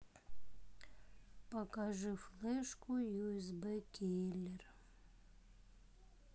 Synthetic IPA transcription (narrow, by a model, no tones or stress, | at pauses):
pɐkaʐɨflˠɛʂkʊjuɛzbɛkʲilʲɛr